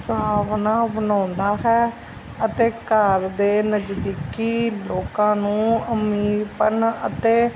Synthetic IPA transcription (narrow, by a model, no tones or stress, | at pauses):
saːʋnãːbənãːnd̪aːɦɛː | ət̪eːkəɾd̪eːnəd͡ʒd̪iːkiːloːkãːnũːəmiːpənət̪eː